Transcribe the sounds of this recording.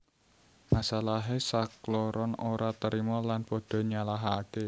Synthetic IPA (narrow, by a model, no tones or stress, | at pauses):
masalaɦesaklɔɾɔnoɾat̪əɾimɔlanpɔɖ̥ɔ̤ɲalaɦaːke